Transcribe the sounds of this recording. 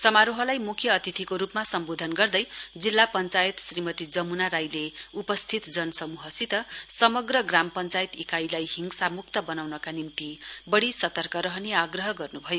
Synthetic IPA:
sʌmaɾoɦʌlajmukʰjʌːt̪it̪ʰikoɾupmasʌmbod̪ʱʌnɡʌrd̪ʌjd͡zilːapʌnt͡sajet̪srimʌt̪id͡zʌmunaɾajleupʌst̪ʰit̪d͡zʌnʌsʌmuɦʌsit̪ʌsʌmʌɡrʌɡrampʌnt͡sajit̪ikajlajɦiŋsamuk̚t̪ʌbʌnawnʌkanimt̪ibʌɽisʌt̪ʌrkʌɾʌɦʌneaɡrʌɦʌɡʌrnubʱʌjo

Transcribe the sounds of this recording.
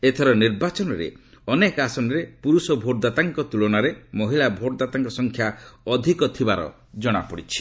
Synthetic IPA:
et̪ʰɔɾɔniɾbat͡ʃɔnɔɾḛ | ɔnekasɔnɔɾepuɾusɔbʱoʈɔd̪at̪aŋkɔt̪ulɔnaɾemɔɦiɭlabʱoʈd̪at̪aŋkɔsɔŋkʰjaɔd̪ʱikɔt̪ʰibaɾɔ̰ | d͡ʒɔɽ̃a̰pɔɽit͡ʃʰi̥

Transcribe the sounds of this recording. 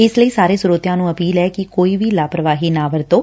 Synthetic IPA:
ɪsləiːsaːɾeːsʊɾoːt̪jãːnũːəpiːlɛːkɪkoːiːʋiːlaːpɾəʋaːɦiːnaːʋəɾt̪õː

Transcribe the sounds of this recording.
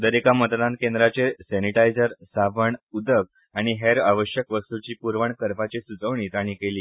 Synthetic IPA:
d̪əɾekamət̪d̪ankend̪ɾat͡ɕesɛniʈajd͡zəɾsaʋəɳud̪ək̚ | aɽ̃iɦeɾaʋəɕjəkʋəst̪ut͡ɕiːpuɾʋəɳkəɾpat͡ɕesud͡zəʋɳiːt̪aɽ̃iːkeliː

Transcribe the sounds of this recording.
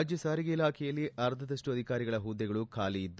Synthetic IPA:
d͡ʒjɐsaːɾiɡɐilaːkʰɛjɐlːiʔɐɾd̪ʱɐd̪ɐʂʈuɐd̪ʱikaːɾiɡɐɭɐɦuːd̪ːɛɡɐɭukʰaːliid̪ː

